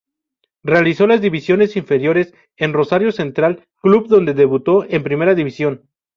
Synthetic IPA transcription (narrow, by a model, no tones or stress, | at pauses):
re̞aliso̞lazðiβisjo̞ne̞siɱfe̞ɾjo̞ɾe̞s | e̞nro̞saɾjo̞se̞nt̪ɾal | klubðond̪e̞ðe̞βut̪o̞ʔe̞mpɾime̞ɾaðiβisjo̞n